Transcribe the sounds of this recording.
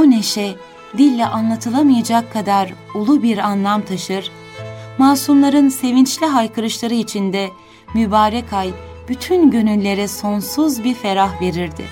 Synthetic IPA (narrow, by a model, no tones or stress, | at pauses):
one̞ʃɛ | d̪ilʲːɛʔanlˠat̪ʰɯlˠamɯjad͡ʒakʰːad̪aɾulˠubiɾanlˠamt̪ʰaʃɯɾ̥ | maːsumlˠaɾɯnse̞vint͡ʃlʲiɦajkʰɯɾɯʃlˠaɾɯit͡ʃʰind̪ɛ | mybaːɾɛkʰaj | b̥yt̪ʰynɟø̞nylʲːe̞ɾɛso̞nsuzbiɾfe̞ɾaɦve̞ɾiɾd̪ɪ̰